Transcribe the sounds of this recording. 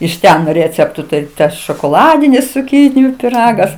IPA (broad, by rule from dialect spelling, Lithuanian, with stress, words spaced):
ɪʃ ˈtʲɛn ˈrʲeːt͡sʲɛptʊ ˈtɐɪ ˈtɐs ʃoːkoːˈlˠɑːdʲɪnʲɪs t͡sʊˈkʲiːnʲɪjʊ pʲɪˈrɑːɡɐs